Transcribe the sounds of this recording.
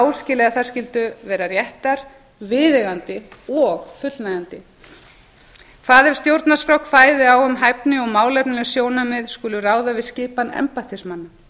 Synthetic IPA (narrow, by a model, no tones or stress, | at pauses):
awscɪlɛɣaθaɾ̥scɪlt̪ʏvɛːɾarjɛht̪aɾ̥ | vɪːðɪɣant̪ɪɔɣfʏt̪lnajant̪ɪ | kʰfaːðɛɾ̥st̪jowɾt̪naskɾawkfaːjðɪawʏmɦajpnɪɔɣmaːwlɛjp̚nɪlsjoːwnamɪðskʏːlʏraːwðavɪðscɪːpanɛ̰mpat̪ʰismanːam